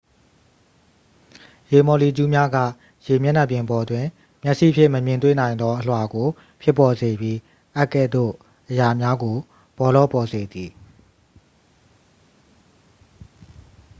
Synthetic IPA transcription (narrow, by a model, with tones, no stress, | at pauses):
je˨mɔ˨li˨t͡ɕu˦mja˦ɡä̰˦˨ | je˨mjɛ˦na˦˨pjɪ̃˨bɔ˨dwɪ̃˨ | mjɛ˦ʔsḭ˦˨ʔpʰjɪ̰˦˨mə˨mjɪ̃˨nt̪wḛ˦˨nã˨ɪ̃nd̪ɔ˦ʔə˨l̥wa˨ɡo˨ | pʰjɪ˦˨pːɔ˨ze˨bji˦ | ʔa˦kːɛ˦˨d̪o̰˦˨ | ʔəja˨mja˦ɡo˨ | b̥ɔ˨lɔ̰˦˨pɔ˨ze˨d̪i˨